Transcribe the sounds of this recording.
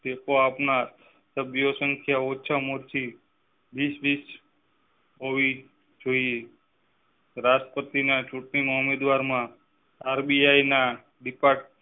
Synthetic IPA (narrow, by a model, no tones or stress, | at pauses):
t̪ekoapna | səbjosə̃ŋkʰjaoːt͡ʃʰamoɾt͡ʃi | ʋisʋis | ɦoʋi | d͡ʒoje | ɾaʈəpət̪inat͡ʃuʈnimãumed̪ʋaɾmã | aɾbiajna | ɖipaʈ̚